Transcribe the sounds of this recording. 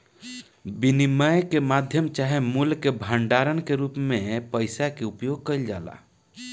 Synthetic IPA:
biniməjkemad̪ʱjəmt͡ʃaɦemulkebʱəɳɖaɾənkeɾupmepəɪsakeupjoɡ̚kəjld͡ʒala̰

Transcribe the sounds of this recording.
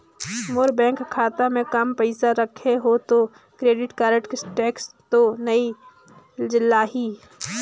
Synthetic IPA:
moɾbɛ̃ːŋkkʰːaːt̪amẽkampəɪsaɾəkʰeɦot̪o | kɾeːɖɪʈkaːɾə̃ʈkesʈɛːkst̪onɐi | d͡ʒɪlːaɦiː

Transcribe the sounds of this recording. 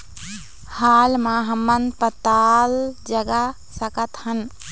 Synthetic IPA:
haːlmãɦəmːənd̪pət̪ald͡ʒəɡa | səkət̪hən

